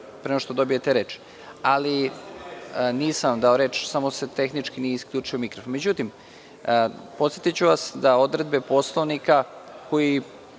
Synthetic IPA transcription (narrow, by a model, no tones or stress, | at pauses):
pɾenoʃt̪od̪o̞bijet̪eɾe̞ːt͡ʃi̥ | ali | niːsamd̪ao̞ɾet͡ʃsamose̞t̪e̞xnit͡ʃkinijeisklʎuːt͡ʂiomikɾofonme̞d͡ʑut̪im | po̞t̪sjet̪it͡ɕuʋasd̪ao̞d̪ɾe̞d̪be̞po̞slˠoʋnikako̞ji